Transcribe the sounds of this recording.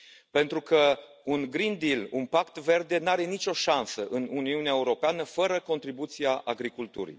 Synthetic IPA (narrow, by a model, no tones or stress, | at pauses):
pe̞nt̪ɾukʰə | unɡɾind̪ilunpakt̪ve̞rd̪e̞naɾe̞nit͡ʃʲo̞ʃansəʔɨnuniuneaeuɾo̞peanəfəɾəko̞nt̪ɾibut̪siaʔa̰ɡɾikult̪ṵɾḭj